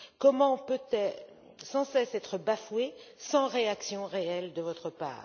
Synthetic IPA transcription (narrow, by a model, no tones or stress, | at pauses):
kɔmɑ̃pøt̪ɛ | sɑ̃sɛsɛt̪χəbafwesɑ̃ʁeaksjɔ̃ʁeɛld̪əvɔt̪χəpa̰ːʁ